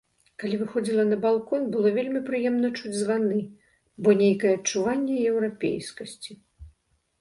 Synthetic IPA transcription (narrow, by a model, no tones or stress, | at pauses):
kalʲivɨxɔd͡zʲilˠɐnɐbalˠkɔnbɨlˠɔvʲelʲmʲipɾɨjɛmnɐt͡ʂud͡zʲzvanɨ | bɔnʲejkɐjɛɐt͡ʂuvanʲːɛjɛwɾapʲḛjskɐsʲt͡sʲi